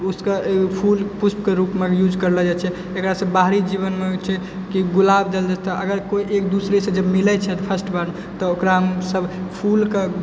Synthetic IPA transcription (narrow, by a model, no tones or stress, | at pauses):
uskepʰulpusp̚keɾupmejud͡ʒkəɾlɛd͡ʒat͡ʃʰɛ | ekɾasə̃baɦɾid͡ʒiβənmejt͡ʃʰɛ | kiɡulabd̪eld͡ʒat̪ɔʔəɡəɾkoiʔekd̪usɾesẽd͡ʒəbmilɛt͡ʃʰɛt̪pʰəsʈbaɾmet̪ɔokɾaɦəmsəbpʰulke